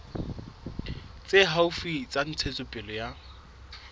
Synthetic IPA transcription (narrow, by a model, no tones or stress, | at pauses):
t͡sʼeɦaʊfit͡sʼan̩t͡sʰet͡sʼʊpʼɪlɔja